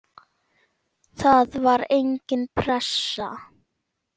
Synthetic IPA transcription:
θaðvaɾejɲcɪnpʰɾɛsːa

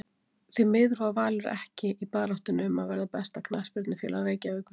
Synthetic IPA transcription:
θemɪðɾvavaːlʏɾɛ̰hcɪʔipaːɾawht̪ʏnʏmaðvɛɾðapɛst̪akʰnaspɪɾt̪nɪfjɛ̰ːlareːjcavɪːk

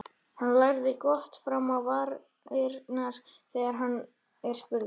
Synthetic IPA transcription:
hanːlajɾðɪkɔht̪fɾamawvaːɾ | ɪɾnaɾ̥ | θɛːɣaɾ̥ɦanː | ɛɾ̥fʏl

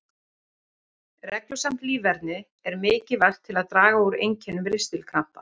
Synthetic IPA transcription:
rɛklʏsam̥t̪liːvɛɾt̪nɪ | ɛɾmɪːcɪval̥t̪ʰːɪlaðt̪ɾaːɣaoːɾḛjɲcʰɛnːʏmɾɪst̪ɪlkʰam̥pa

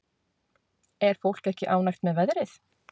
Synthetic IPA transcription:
ɛɾ̥fowl̥kɛhcɪʔaːwnajxt̪mɛðvɛðɾɪθ

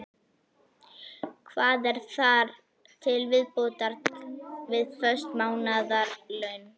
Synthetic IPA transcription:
kʰvaːðɛɾ̥θaɾ | t̪ʰɪlvɪðpoːt̪aɾt̪vɪðfœ̥st̪maːwnaðaɾlœɥn

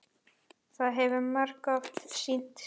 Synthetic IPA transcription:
θaðɦɛvʏɾmaɾkaft̪sin̥t̪

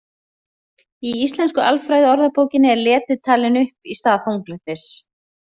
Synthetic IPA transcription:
iist̪lɛnskʏʔalfɾaːjðɪɔɾðapoːwcɪnɪɛɾlɛːt̪ɪt̪ʰaːlɪnʏhpist̪aːθowŋklʏht̪es

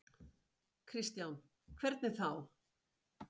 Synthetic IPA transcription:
kʰɾist̪jawn | kʰvɛɾt̪nɪθaw

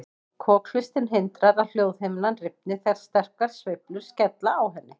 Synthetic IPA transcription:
kʰɔːkl̥ɪst̪ɪnɦɪnt̪ɾaɾaðl̥joːwðheːjmɪnanrɪp̚nɪθɛɾ̥st̪ɛr̥kaɾ̥svɪplʏɾ̥scɛt̪laːwɦɛnːɪ

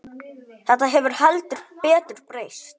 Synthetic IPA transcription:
θɛt̪ːaɦɛvʏɾ̥halt̪ʏɾ̥pɛːt̪ʏɾ̥pɾeːjst̪

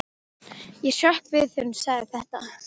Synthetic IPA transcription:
jɛsœhkvɪðθʏɾnsaɣðɪθɛht̪a

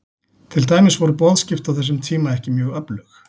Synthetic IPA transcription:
t̪ʰɪlt̪aːjmɪsvɔɾʏpɔðscɪft̪awθɛs̬ʏmt̪ʰiːmaɛhcɪmjœːɣœplʏx

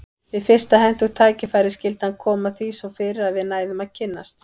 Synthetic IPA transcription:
vɪðfɪr̥st̪aɦɛn̥t̪uɣ̥t̪ʰaːcɪfajɾɪscɪlt̪ankʰɔːmaθisɔfɪːɾɪɾaðvɪðnaːjðʏmaðcʰɪnːast̪

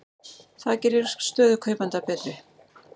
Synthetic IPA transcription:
θaðcɛɾɪɾ̥st̪œːðʏkʰœːɥpant̪apɛːt̪ɾɪ

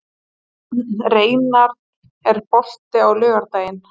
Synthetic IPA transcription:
reːjnaɾ | ɛɾpɔl̥t̪ɪawlœːɣaɾt̪aːjɪn

